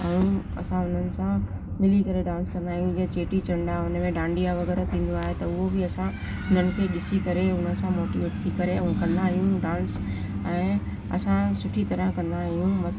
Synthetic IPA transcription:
ɛ̃ũɐ̰sãʊn̤ənɪ̆sã | mɪlikɐɾeɖãːnskɐ̃nd̪aːɦijũd͡ʑet͡ɕeːʈit͡ɕɐ̃ɳɖaʊnəmẽɖãːɳɖijaʋɐɣɛːɾat̪ʰĩːn̆d̪oaːɦet̪ɐʊɦobɪɐsã | ʊn̤ənɪ̆kʰeːɗɪsikɐɾeʊn̤ə̆sãmoːʈiʋt̪ʰikːɐɾẽkɐ̃nd̪aːɦijũɖãːns | ɛ̃ː | ɐ̰sãsʊʈʰit̪ɐɾəɦkɐ̃nd̪aːɦijũmɐ

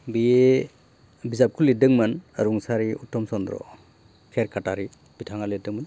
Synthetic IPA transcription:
bie | bizap̚kʰulidɯŋmɯna̰ɾuŋsaɾiṵtːɔmsɔnd̪ɾɔ̰ | kʰeɾkʰataɾi | b̥itʰaŋaledɯŋmən

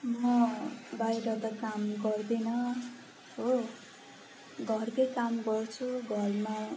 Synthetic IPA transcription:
mmʌbajɾʌt̪ʌkamɡʌrd̪enʌ | ɦo | ɡʱʌrkʌjkamɡʌrt͡sʰuɡʱʌrma

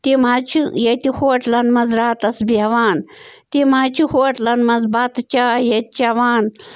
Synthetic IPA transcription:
t̪imat͡ʃʰijɐt̪ixoːʈlɐnmɐzɾaːt̪ɐsbiɦɐʋaːnt̪imat͡ʃʰihoːʈlɐnmɐzbat̪t͡ʃaːjɐt̪̚t͡ʃɐʋaːn

